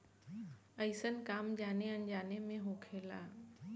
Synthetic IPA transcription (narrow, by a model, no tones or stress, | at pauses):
əɪsənkaːmd͡ʒaːneə̃nd͡ʒaːnemẽɦoːkʰeːla̰ː